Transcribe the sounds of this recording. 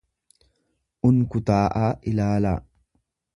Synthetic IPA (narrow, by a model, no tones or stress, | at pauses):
ʔʊnkʊt̪aːʔaːʔɪlaːla̰ː